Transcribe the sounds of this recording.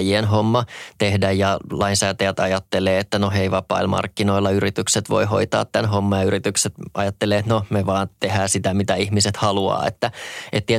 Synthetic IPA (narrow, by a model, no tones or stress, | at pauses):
jienɦomːɑt̪ehdæjjɑlɑinsæːt̪æjæt̪ɑjɑt̪ːeleːet̪ːænoɦeiʋɑpˑɑ̰ilmɑ̰rkːino̞ilːɑyɾit̪ykset̪ʋo̞̰iɦo̞̰it̪ɑ̰ːt̪ːænɦomːɑjɑyɾit̪ykset̪ʔɑjɑt̪ːeleːet̪nomeʋɑːnt̪ehæːsit̪æmit̪æihmiset̪hɑluɑ̰ːḛt̪ːæʔḛt̪ːie